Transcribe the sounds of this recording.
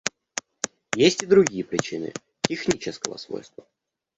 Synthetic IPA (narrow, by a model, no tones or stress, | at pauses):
jesʲtʲɪd̪ɾʊɡʲijəpɾʲɪt͡ɕinɨ̰ | tʲɪxnʲit͡ɕɪskəvə̰svo̰jst̪və